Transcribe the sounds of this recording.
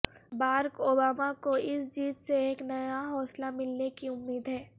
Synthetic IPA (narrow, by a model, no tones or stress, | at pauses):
baːɾkoːbaːmakoɪsd͡ʒiːt̪seeːknɐjaɦɔːslamɪlnekiʊmːiːd̪ɦɛː